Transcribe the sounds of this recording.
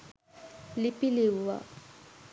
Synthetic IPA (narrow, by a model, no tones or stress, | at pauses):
lipilia̰